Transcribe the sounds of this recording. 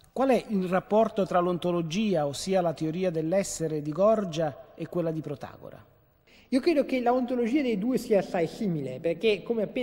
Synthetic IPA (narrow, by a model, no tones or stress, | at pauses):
kwalɛʔilrapːɔrt̪ot̪ɾalont̪olod͡ʒiːaosːiːalat̪eoɾiːad̪elːɛsːeɾed̪iɡɔrd͡ʒaekːwelːad̪ipɾot̪a̰ːɡo̰ɾa̰ | iːokɾeːd̪okelaont̪olod͡ʒiːad̪ejd̪uːesiːaːsːajsiːmileperkekːomeapːeː